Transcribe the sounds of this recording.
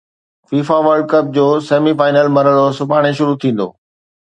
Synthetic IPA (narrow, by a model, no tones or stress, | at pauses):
fiːfaʋəɾɖ̚kɐp̚d͡ʑoːseːmifaːɪnəlmɐɾəɭosʊbʱaːɽ̃eʃʊɾut̪ʰĩːn̆d̪o̰ː